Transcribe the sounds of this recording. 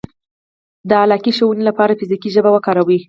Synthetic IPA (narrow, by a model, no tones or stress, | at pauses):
d̪əalɑkiʃowunelapɑɾafizikiʒəbawəkɑɾawi